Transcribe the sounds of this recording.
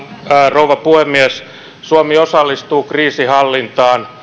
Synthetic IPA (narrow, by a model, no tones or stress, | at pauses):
rouʋɑpuhemːiɛs | suomiosɑlːist̪uːkriːsihɑlːint̪ɑːn